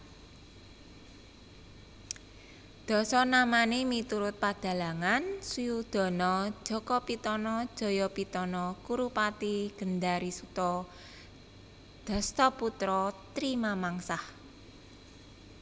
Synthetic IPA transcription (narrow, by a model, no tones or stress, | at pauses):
d̪̥ɔ̤sɔnamanemit̪uɾʊt̪̚pad̪̥ä̤laŋansujud̪̥ɔ̤nɔ̥ʒ̥ɔ̤kɔpit̪ɔnɔ̥ʒ̥ɔ̤jɔpit̪ɔnɔkuɾupat̪iɡ̥ə̤nd̪aɾisut̪ɔ | d̪̥ɔ̤st̪ɔput̪ɾɔt̪ɾimamaŋsah